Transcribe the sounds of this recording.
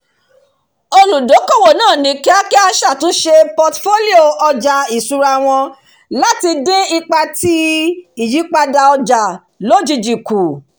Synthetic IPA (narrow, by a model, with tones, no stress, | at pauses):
o˧lu˨do˨˦ko˦˨wo˨nãː˦˨nĩ˨˦kɛ˦a˦ki˦a˧ʃa˦˨tũ˦ʃe˧pɔ˧tfo˦li˦o˦˨ɔ˧d͡ʒa˨i˨su˧ɾa˧w̃ɔ̃˧ | la˦ti˧dẽ˦i˧k͡pa˧ti˦i˨ji˨˦k͡pa˧da˧ɔ˧d͡ʒa˨ | lo˦d͡ʒi˧d͡ʒi˨ku˨